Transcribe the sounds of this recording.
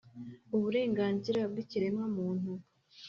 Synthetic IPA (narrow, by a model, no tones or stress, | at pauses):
uβuɾe̞ːŋɡaːnziɾab̚ɡiciɾe̞mamuːn̥u